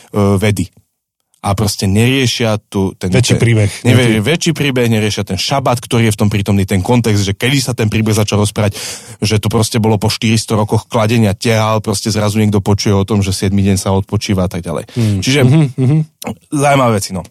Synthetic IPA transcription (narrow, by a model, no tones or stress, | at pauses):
ʋɛd̪i | ʔapɾɔscɛɲɛɾɪɛʃɪat̪ut̪ɛnɛt͡ʃːpɾiːbɛxɲɛɛʋɛt͡ʃiːpɾiːbɛɣɲɛɾɪɛʃɪat̪ɛnʃabat̪kt̪ɔɾiːjɛft̪ɔmpɾiːt̪ɔmniːt̪ɛnkɔnt̪ɛɡzd̪ʒɛkɛd̪isat̪ɛnpɾiːbɛɣzat͡ʃalɾɔspɾaaɟʒɛt̪ɔpɾɔscɛbɔlɔpɔʃt̪iɾist̪ɔɾɔkɔxklaɟɛɲɪacɛɦalpɾɔscɛzɾazuɲɛɡ̚d̪ɔpɔt͡ʃujɛɔt̪ɔmʒɛsɪɛd̪miɟɛɲsaɔt̪̚pɔt͡ʃiːʋaat̪aɡ̚ɟa̰lɛ̰jt͡ʃiʒɛɦzaumaʋɛːʋɛt͡sinɔ